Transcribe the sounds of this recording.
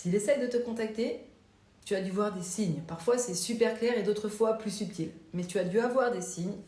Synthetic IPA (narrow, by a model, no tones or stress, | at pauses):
siilesɛjd̪ət̪əkɔ̃t̪ak̚t̪e | t̪yad̪yvwaʁd̪esiɲpaʁfwasɛsypɛʁklɛʁed̪ot̪χəfwaplysyp̚t̪ʰilmɛt̪yad̪yavwaʁd̪esiɲ